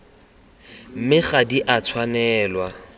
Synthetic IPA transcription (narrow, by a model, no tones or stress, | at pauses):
m̩mɪχadiʔat͡sʰwanɛːlwa